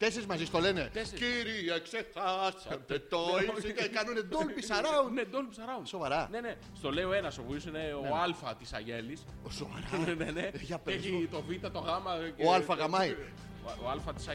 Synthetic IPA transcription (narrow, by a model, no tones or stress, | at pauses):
t̪eseɾizmɐzist̪o̞lene̞kiɾiɐeksexɐsɐt̪et̪oisit̪ekɐnuned̪olpisɐɾɐunned̪olpisɐɾɐuso̞vɐɾɐne̞ne | st̪o̞le̞io̞e̞nɐsopuisineoɐlfɐt̪isɐ̰ʝelisso̰va̰ɾɐneneʝɐpeeit̪ovit̪ɐt̪o̞ɣɐmɐoɐlfɐɣɐmɐj | oɐlfɐt̪i̥sɐ